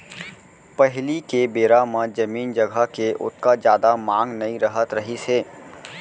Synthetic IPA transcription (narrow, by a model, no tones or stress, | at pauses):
pəɦɪlikebeːɾamãd͡ʒɐmiːnd͡ʒəɡʱəkeʔʊ̰t̪̚kad͡ʒjaːd̪amãːŋɡnɐĩɾəɦət̪ɾɐɦiseː